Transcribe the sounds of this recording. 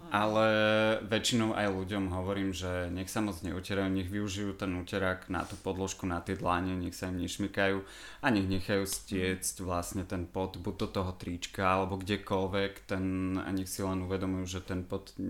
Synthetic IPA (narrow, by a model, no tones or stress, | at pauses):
ʔalɛʋɛt͡ʃinɔʊʔa̰jluɟɔmɦɔʋɔɾiːmʒɛɲɛxsamɔd͡zɲɛ̰ucɛɾajuːɲɛɣʋiuʒijuːt̪ɛnucɛɾakna̰t̪upɔd̪lɔʃkunat̪ɪɛd̪laɲɛɲɛxsaimɲɛʃmikajuː | aɲɛɣɲɛxajuscɪɛt͡scʋlasɲɛt̪ɛnpɔd̪buɟ̚d̪ɔt̪ɔɦɔt̪ɾit͡ʃkaalɛbɔɡɟɛkɔlʋɛkt̪ɛna̰ɲɛxsilɛnuʋɛd̪ɔmujuːʒɛt̪ɛnpɔd̪